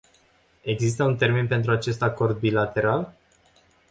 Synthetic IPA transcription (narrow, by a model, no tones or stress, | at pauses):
e̞ɡzist̪əunt̪e̞rmenpe̞nt̪ɾuat͡ʃe̞st̪ako̞rd̪̚bilat̪e̞ɾal